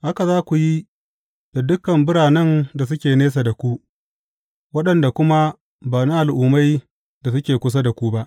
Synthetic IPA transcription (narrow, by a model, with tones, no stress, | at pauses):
ha˦ka˨zaː˦kʷu˨ji˦ | d̥a˨dʊ˦kɐ˨mbɪ˦ɽaː˨nɛ˦nda˨s̬ʊ˦kʲeː˨neː˦s̬a˨da˨kʷu˦ | wɐ˦ɗɐ˨nda˨kʷʊ˦ma˦ | baː˨ni˦ʔa˨lʔʊː˨ma˦j | da˨s̬ʊ˦kʲeː˨kʷʊ˦s̬a˦da˨kʷu˦ba˦ʔ